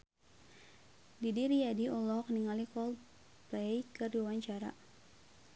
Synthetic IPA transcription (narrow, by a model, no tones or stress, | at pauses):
didiɾijadiɔlɔkniŋalikɔl | plɛjkɨrdiwawaɲt͡ʃaɾa̰